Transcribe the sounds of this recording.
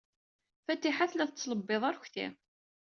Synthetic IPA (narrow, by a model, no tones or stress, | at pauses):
fæt̪ːiħaθlæθət͡sːləbːeðˤæɾçθḭ